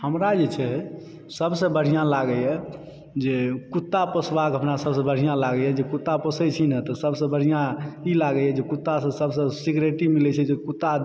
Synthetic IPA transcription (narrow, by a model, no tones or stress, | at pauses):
həmɾad͡ʒet͡ʃʰɛ | səbsə̃bəɽ̤ijãlaɡəɛ | d͡ʒekut̪ːapəsbakɦəpnasəbsə̃bəɽ̤ijãlaɡəjɛd͡ʒekut̪ːapəsəjt͡ʃʰinət̪ɔsəbsə̃bəɽ̤ijãilaɡəɛd͡ʒekut̪ːasə̃səbsə̃siɡɾeʈimilɛt͡ʃʰɛd͡ʒekut̪ːa